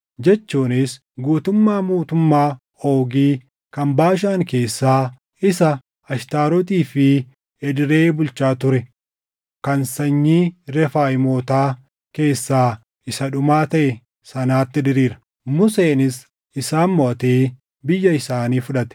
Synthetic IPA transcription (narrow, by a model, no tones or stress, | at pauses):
d͡ʒɛt͡ʃːuːnɪs | ɡuːt̪ʊmːaːmuːt̪ʊmːaː | o̞ːɡiː | kɐmbaːʃ̬aːŋke̞ːsːaː | ɪsɐ | ɐʃt̪aːɾɔt̪̬iːfɪ | ɛd̪ɪɾe̞ːbʊlt͡ʃaːt̪ʊɾɛ | kɐnsɐɲːiːɾɛfaːjɪmo̞ːt̪aː | ke̞ːsːaː | ɪsɐᶑʊmaːt̪ɐʔɛ | sɐnaːt̪ːɪd̪ɪɾiːɾɐ̥ | mʊseːnɪs | ɪsaːnmɔʔɐt̪eː | bɪjːɐɪsaːniːfʊᶑɐt̪ɛ̥